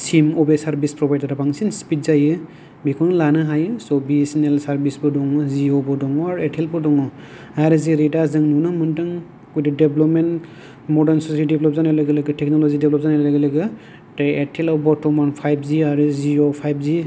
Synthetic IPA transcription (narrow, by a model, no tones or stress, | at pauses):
simɔbesaɾbispɾɔbʱajdaɾabaŋsinspit̚zajɯ | bikʰɔnlanɯɦajɯsɔbisnelsaɾbisbɯdɔŋɔziobɔdɔŋɔaɾetʰelbɔdɔŋɔ | aaɾɯziɾedazɯŋnunɯmɯntɯŋ | kujdideblɔp̚men | mɔdaɾnsɔsajideblɔp̚zanajlaɡelɯɡɯtek̚nolɔzideblɔp̚zanajllaɡelɯɡɯ | taetʰelɔbɔtɔmanpʰajbziaɾɯziopʰajb̚zi